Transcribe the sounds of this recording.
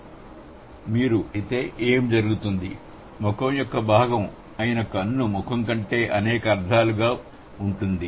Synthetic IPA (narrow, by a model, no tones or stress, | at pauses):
miːɾuit̪e̞ːʔeːmd͡ʒɐɾuɡut̪und̪i | mɔkɐmjɔkːɐbʱaːɡɐm | ɐjinɐkːɐnːumɔkɐŋkɐɳʈe̞ːʔɐnɛːkɐːɾd̪ʱaːluɡaː | uɳʈund̪i